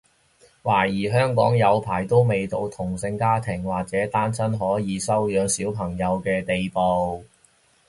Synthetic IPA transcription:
waː˨˩jiː˨˩ɦœː˥ŋkɔ̰ː˨˥ŋjɐ˨˧wpʰaː˨˩jt̪o˥wme˨jt̪o˧wt̪ʰʊ˨˩ŋsɪ˧ŋkaː˥t̪ʰɪ˨˩ŋwaː˨˩k̚t͡sɛː˨˥t̪aː˥nsɐ˥nɦɔː˨˥jiː˨˧sɐ˥wjœː˨˧ŋsiː˨˥wpʰɐ˨˩ŋjɐ˨˧wkɛː˧t̪e˨jpo˨w

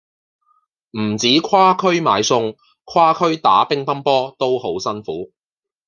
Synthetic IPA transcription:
m̩˨˩t͡siː˨˥kʰwaː˥kʰɵ˥ɥma̰ː˨˧jsʊ˧ŋ | kʰaː˥kʰɵ˥ɥt̪a̰ː˨˥pɪ˥ŋpɐ˥npɔː˥t̪o˥who˨˥wsɐ˥nfuː˨˥

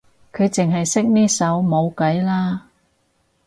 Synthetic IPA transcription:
kʰɵ˨˧ɥt͡sɪ˨ŋɦɐ˨jsɪ˥k̚niː˥sɐ˨˥wmo˨˧wkɐ˨˥jlaː˥

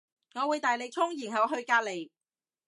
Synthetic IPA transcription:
ŋɔː˨˧wuː˨˧jt̪aː˨jle˨˧k̚t͡sʰʊ˥ŋjiː˨˩nɦɐ˨˩wɦɵ˧ɥkaː˧t̚le˨j

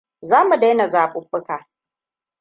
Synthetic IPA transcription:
zaː˦mu˨da˦jna˨zaː˨ɓʊ˦ɸʊ˦kaː˨

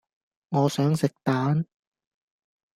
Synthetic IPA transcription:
ŋɔː˨˧sœː˨˥ŋsɪ˨k̚t̪aː˨˥n

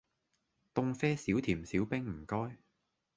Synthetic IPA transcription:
t̪ʊ˧ŋfɛː˥siː˨˥wt̪ʰiː˨˩msiː˨˥wpɪ˥ŋm̩˨˩kɔː˥j

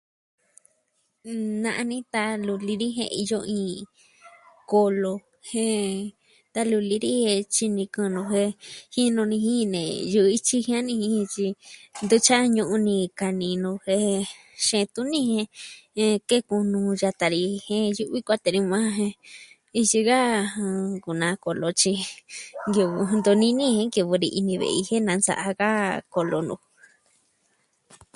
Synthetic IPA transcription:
nã˧ʔa˧nĩ˦t̪a˧lu˧li˧ɾi˦ɦḛ̃˧ḭ˧jo˧ĩː˧ | ko˧lo˧ | hẽ˧ | t̪a˧lu˧li˧ɾi˦he˧t͡ʃi˧nĩ˧kɨ̃˧nõ˧ɦe˧hĩ˦nõ˧nĩ˧hĩ˦˧nḛ̃˨ju˧i˦t͡ʃi˦hĩ˦ã˦nĩ˧hĩ˧ĩ˧t͡ʃi˧nd̪u˧˦t͡ʃa˦ɲũ˧ʔũ˧nĩ˧ka˨nĩ˧nũ˧he˧ | ʃẽ˧t̪u˦nĩ˦hẽ˧ | ke˦kũ˧nũ˧ja˧t̪a˧ɾi˧hẽ˦ju˧ʔβi˦kʷa˦˧t̪e˧ɾi˧mã˦ɦẽ˧ | i˧t͡ʃi˧ɣa˦˧ | ku˨nã˧ko˧lo˧t͡ʃi˧ŋɡi˧βu˧nd̪o˧nĩ˧˦nĩ˦hẽ˧ŋɡi˧βu˧ɾḭ˧ʔi˧nĩ˧βḛ˧˨˧i˧he˦nã˨˧nsa̰˧˨ʔa˧ɣa˦ko˧lo˧nṵ̃˧

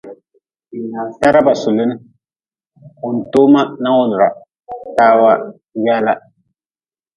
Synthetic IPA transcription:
i˨naː˨sa˦ɾa˦ba˨sʊ˨lɪ˦nɨ˦ | ʊ˨n̩˨tʊ˦ma˦na˦wʊ˦lʊ˨ɾa˨ | taː˦wa˦ | jɛ˦la˦

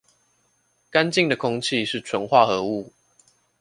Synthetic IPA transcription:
ka˦nt͡ɕi˥˨ŋd̪ə˩kʰʊ˥ŋt͡ɕʰi˥˨ʂɻ̩˥˩ʈ͡ʂʰwə˨˦nxwa˥˨xɤ˨˧˦u˥˨

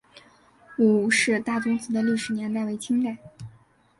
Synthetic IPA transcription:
u˨˩ʂɻ̩˥˧t̪a˥˩ʈ͡ʂʊ˥ŋt͡sɹ̩˧˥d̪ə˧li˥˩ʂɻ̩˧˥njɛ˧˥nt̪a˥˩ɪwe˧˥ɪt͡ɕʰi˥ŋt̪a˥˩˦

